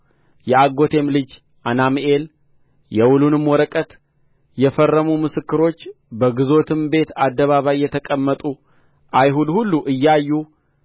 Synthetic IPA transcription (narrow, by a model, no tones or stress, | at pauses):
jɛaɡo̞t̪ʰe̞mlɨd͡ʒ | ʔanamʔe̞l | jɛwulunɨmwɔɾəkʼət̪ | jɛfərːəmumɨsɨkːɨɾo̞t͡ʃː | bəɡɨzo̞t̪ʰɨmbe̞t̪ad̪ːəβaβajːɛt̪ʰəkʼəmːət̪ʼu | ʔajɦud̪hulːuʔɨjːajːu